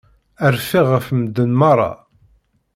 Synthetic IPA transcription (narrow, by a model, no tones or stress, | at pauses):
əɾfiʁəfməd̪ːənmɑɾˤːɑ̰